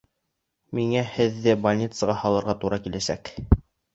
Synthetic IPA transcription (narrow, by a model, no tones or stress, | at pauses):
miŋæhɘ̆ðːɘbɐlʲnʲit̪sɤʁɑhɑlˠɤ̆ɾʁɑt̪uɾɑkilæsæ̰k